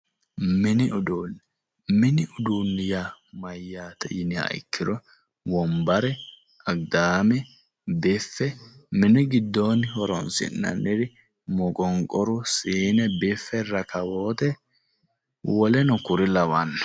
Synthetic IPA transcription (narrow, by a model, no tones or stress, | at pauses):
mɪnɪʔʊd̪oːn | mɪnɪʔʊd̪uːnːɪjamɐjːaːt̪ɛ̰jɪnɪɐ̰jkːɪɾɔ | wɔmbɐɾɛ | ɐɡd̪aːmɛ | bɪfːɛmɪnɪɡɪd̪ːoːnhɔɾɔnsɪ̰nːɐ̰nːɪɾɪ | mɔkʼɔŋkʼɔɾʊsiːnɛbɪfːɛɾɐkɐwoːt̪ɛ | wɔlɛnʊkʊɾɪlɐwanː